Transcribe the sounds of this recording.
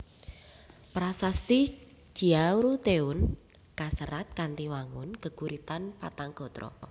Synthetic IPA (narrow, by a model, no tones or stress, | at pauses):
pɾasast̪i̥d͡ʒ̥i̤aɾut̪eʊnkasəɾat̪̚kant̪iwaŋʊnkə̤kuɾit̪anpat̪aŋɡ̥ɔ̤t̪ɾɔ̰